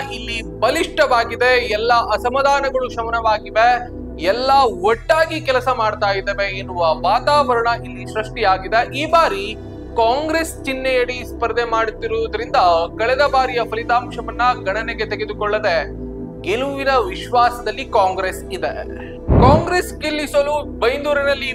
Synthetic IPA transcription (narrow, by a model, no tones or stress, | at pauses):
ilːibɐliʂʈɐʋaːɡid̪e̞ɛlːɐʔɐsɐmɐd̪aːnɐɡɐɭuʃɐmɐnɐʋaːɡiʋe | ɛlːɐʋɔʈːaːɡikɛlɐsɐmaːɖt̪aːjid̪eːʋeenːuɐʋaːt̪aːʋɐɾɐɳɐʔilːiʃɾɐʂʈijaːɡid̪e̞ʔiːbaːɾi | kaːŋɡɾest͡ʃinːejɐɽispɐɾd̪ʱemaːɽt̪iɾoːd̪ɐɾind̪ɐkɐɭɛd̪ɐbaːɾijɐpʰɐlit̪aːmʃɐʋɐnːɐɡɐɳɐneɡet̪eɡe̞d̪ukɔɭːɐd̪e̞ | ɡeluʋinɐʋiʃʋaːsɐd̪ɐlːikaːŋɡɾesid̪e | kaːŋɡɾesɡilːisolubɐjnd̪uːɾɐnɐlːi